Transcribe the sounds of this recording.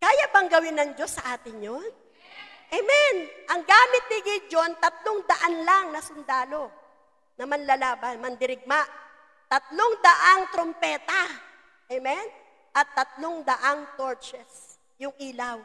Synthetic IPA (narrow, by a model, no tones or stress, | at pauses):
kaːjabɐŋɡɐwɪnɐŋd͡ʒo̞sːɐʔaːt̪ɪŋjon | ʔɛmɛnʔɐŋɡaːmɪt̪̚nɪɡɪd͡ʒo̞nt̪ɐt̪loŋd̪ɐʔanlaŋnɐsʊnd̪aːlo̞ | nɐmɐnlɐlaːbɐnmɐnd̪ɪɾɪɡ̚maʔ | t̪ɐt̪̚loŋd̪ɐʔaŋt̪ɾompɛːt̪ɐ | ʔɛmɛn | ʔɐt̪ːɐt̪̚lo̞ŋd̪ɐʔaŋt̪oɹt͡ʃɛs | jʊŋʔiːlaw